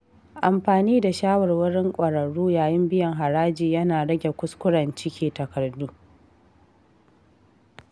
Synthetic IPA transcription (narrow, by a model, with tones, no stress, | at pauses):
ʔa˨mɸaː˨niː˦da˨ʃaː˦wɔ˨rwʊ˦ɽɪ˦ŋkʷʼɐ˨ɽɐ˨ɽuː˦jaː˨jɪ˦mbɪ˦jɐ˨ŋɦa˨ɾaː˦d͡ʒiː˨jɐ˦naː˨ɽɐ˦ɡʲe˨kʷʊ˦skʷʊ˦ɽɐ˨nt͡ʃɪ˦kʲiː˨tɐ˨kɐ˨rduː˦